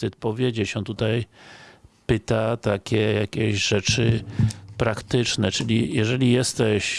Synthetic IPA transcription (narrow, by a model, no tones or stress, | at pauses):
ɨt̪̚pɔvʲjed͡ʑɛɕɛt̪ut̪aj | pɘt̪at̪akʲɛjakʲeʑʐɛt͡ʂɘpɾakt̪ɪt͡ʂnɛt͡ʂɘlʲijɛʐɛlʲijɛst̪ɛɕ